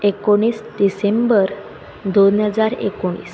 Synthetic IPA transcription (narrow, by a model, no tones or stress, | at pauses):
ekoɽ̃iːsd̪isembəɾ | d̪onɦəd͡zaɾḛkoɽ̃ḭːs